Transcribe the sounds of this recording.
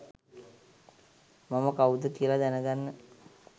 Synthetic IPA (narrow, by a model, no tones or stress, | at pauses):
maməkawud̪əkiəlad̪ænəɡ̪anːə